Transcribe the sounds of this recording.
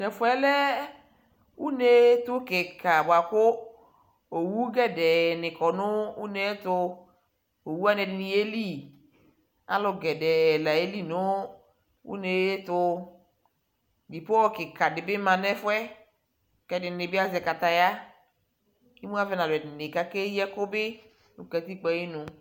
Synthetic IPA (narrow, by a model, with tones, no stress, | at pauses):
nɛ˨fwɛ˦lɛ˦ | u˦ne˨˦tʊ˦kɪ˨kʰa˨bwa˨kʊ˦ | o˨wu˦ɡɛ˦dɛ˨nɪ˨kɔ˨nʊ˦u˦ne˦tʊ˧ | o˨wu˦a˦n˨ɛ˨dɪ˨ni˨e˦li˦ | a̰˦lʊ˨ɡɛ˨dɛ˨la˨e˦li˦nʊ˦ | ṵ˦ne˨je˦tʊ˧ | bi˨po˦ɔ˦kɪ˨ka˨dɪ˨bɪ˦mã˨nɛ˦fʊ˦ɛ˦ | kɛ˦dɪ˨nɪ˨bɪ˦a˦zɛ˨ka˨ta˨ja˦ | i˦mu˦a˦vɛ˦na˨lʊ˨ɛ˨dɪ˨nɪ˨ka˦ke˦jɛ˦kʊ˦bɪ˦ | nʊ˨kɛ˨ti˦k͡pɛ˦ji˦nʊ˨